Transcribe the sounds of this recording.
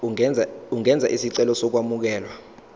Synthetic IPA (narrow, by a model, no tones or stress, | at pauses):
uŋɛnd͡zʱa̰ʔisiǀɛlɔsɔk̬wamuk̬ɛːlwa